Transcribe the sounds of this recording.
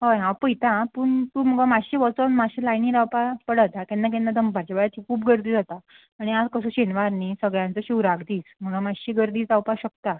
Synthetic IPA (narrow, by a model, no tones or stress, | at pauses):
ɦojɦãwpəjt̪ãpuːɳt̪uːm̤əɡamaɕiːʋɔt͡sənmaɕiːlajniːɾawpapəɽət̪akɛ̃nːak̬ɛ̃nːad̪əmpaɾt͡ɕabajat̪ʰikʰuːpɡəɾd̪iːd͡zat̪a | aɽ̃iad͡zkəsũːɕenʋaɾniːsəɡɭjãnt͡səɕuwɾaɡd̪iːsm̤əɡamaɕiːɡəɾd̪iːt͡sawpaɕək̚t̪a